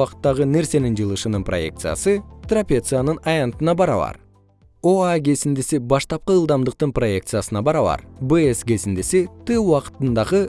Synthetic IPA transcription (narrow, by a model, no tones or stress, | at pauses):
ɑqt̪ːɑʁɯne̞ɾse̞nind͡ʒɯlˠɯʃɯnɯnpro̞̰je̞̰kt̪sɨja̰sɯt̪rapʲet̪sɨjanɯnɑjɑnt̪ɯnɑbɑɾɑβɑ̰ɾ | oaɡʲe̞sind̪isibɑʃt̪ɑp̚qɯɯlˠd̪ɑmd̪ɯq̚t̪ɯnpro̞je̞k̚t̪sɨjasɯnɑbɑɾɑβɑ̰ɾbeesɡe̞sind̪isit̪ɨwɑqɯ̥t̪ɯnd̪ɑʁɯ